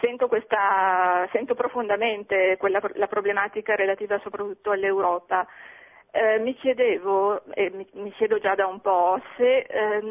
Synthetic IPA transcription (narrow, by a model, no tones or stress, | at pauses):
sɛnt̪okwest̪asɛnt̪opɾofond̪ament̪ekwelːalapɾoblemaːt̪ikaɾelat̪iːvasopɾat̪ːut̪ːoalːewɾɔːpa | mikjed̪eːvoemimikjɛːd̪od͡ʒad̪aumpɔse